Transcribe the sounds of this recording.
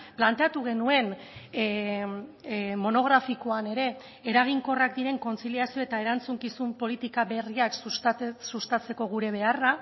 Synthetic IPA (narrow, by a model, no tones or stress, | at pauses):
plant̪e̞at̪uɣ̞e̞nue̞n | mo̞no̞ɣ̞ɾafiko̞ane̞ɾe̞ː | ɾaɣ̞iŋko̞rakd̪iɾe̞ŋko̞nt͡siliasio̞e̞t̪ae̞ɾant͡suŋkisumpo̞lit̪ikaβe̞riaksusust̪at͡se̞ko̞ɣ̞uɾe̞β̞e̞ara